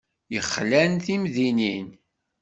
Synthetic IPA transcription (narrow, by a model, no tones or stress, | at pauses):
jəχːlænθimðinin